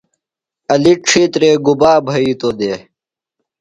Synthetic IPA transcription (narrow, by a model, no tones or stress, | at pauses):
ɐliʂʰit̪ɾeːɡubaːbʱɐiːt̪oːd̪eː